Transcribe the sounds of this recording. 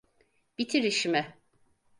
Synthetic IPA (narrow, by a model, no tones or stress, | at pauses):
b̥it̪ʰiɾiʃimɛ